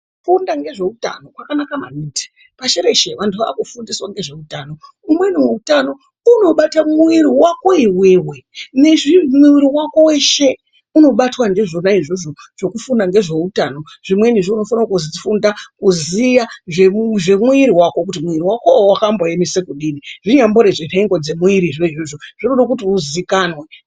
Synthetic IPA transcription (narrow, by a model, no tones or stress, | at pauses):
fundaŋɡe̞ʐe̞uta̰no̞kwakanakama̰niti̥ | paʃeɾe̞ʃeʋantuʋa̰kufundiswaŋɡe̞ʐe̞utaːno̞ | umwe̞nimuutano̞ | uno̞ɓatamuiɾiwako̞iwewe̞ne̞ʐimiiɾiwako̞we̞ʃe̞ | uno̞ɓatwandiʐonaiʐoʐoʐ̥o̞kufundaŋɡe̞ʐe̞utano̞ | ʐ̥imwe̞niʐiuno̞fanawkuzifundakuzijaʐeʐemuiɾiwako̞k̬utimuiɾiwakowakambojemisekuɗiniʐiɲambo̞ɾe̞ʐireŋɡo̞d͡ze̞muiɾiʐeiʐoʐoʐ̥inoɗakutiuzikaːnwe